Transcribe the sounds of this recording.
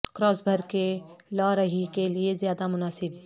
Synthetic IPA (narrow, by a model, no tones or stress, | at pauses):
kɾɔːsbʱəɾkelaːɾɐɦikeliezjaːd̪amʊnaːsɪb